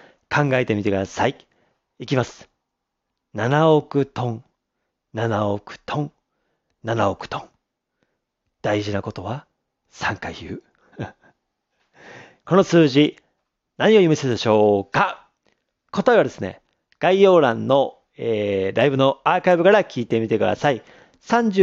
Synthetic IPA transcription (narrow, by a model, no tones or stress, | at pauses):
kʰãŋɡae̞t̪e̞mit̪ekɯ̟d̪asai | ikʲimasɨ̥ | nanaokɯ̟t̪õ̞ŋ | nanaokɯ̟̥t̪ʰõ̞ŋ | nanaokɯ̟̥t̪õ̞ŋ | d̪̥aiʑinako̞t̪o̞βa | sãŋkaçɯː | ko̞no̞sɨːʑi | naɲ̟io̞jɯmised̪eɕo̞ːka | ko̞t̪aeβ̞ad̪e̞sɨne̞̰ | ɡ̥aijo̞ːɾãnːo̞ | eːɾaibɯ̟no̞aːkaibɯ̟kaɾakʲiːt̪e̞mʲit̪e̞kɯ̟d̪a̰sai | sãɲ̟d͡ʑɨ